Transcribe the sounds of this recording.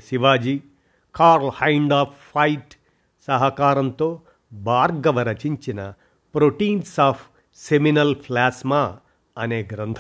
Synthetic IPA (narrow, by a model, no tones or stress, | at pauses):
siʋaːd͡ʒiː | kaːɾlhɐjɳɖaːpʰːɐjʈ | sɐɦɐkaːɾɐnt̪oː | baːɾɡɐʋɐɾɐt͡ʃiɲt͡ʃinɐ | pɾoʈiːnsaːpʰ | seminɐlpʰlaːsmaː | ɐneːɡɾɐnt̪ʰ